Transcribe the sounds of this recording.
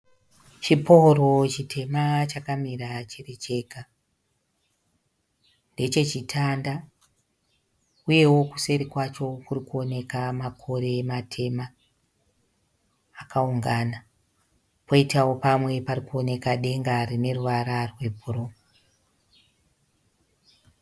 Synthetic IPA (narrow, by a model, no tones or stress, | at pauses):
t͡ʃipʰoro̞t͡ʃitʰe̞mat͡ʃakamiɾat͡ʃiret͡ʃe̞ːka | nde̞t͡ʃe̞t͡ʃitʰanda | uje̞wo̞ku̥se̞ɾikwat͡ʃo̞kurikuo̞ne̞kamakʰo̞ɾe̞matʰe̞ma | kʰauŋɡana | pʰo̞itawo̞pamwe̞parikuo̞ne̞kaɗe̞ŋɡarine̞ruʋaɾarwe̞bʱurom